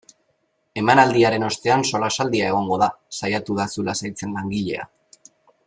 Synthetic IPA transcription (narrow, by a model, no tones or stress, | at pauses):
e̞manald̪iaɾe̞no̞st̪e̞anso̞lasald̪iae̞ɣ̞o̞ŋɡo̞ðasajat̪uðasulasajt͡se̞nlaŋɡiʎe̞̰a̰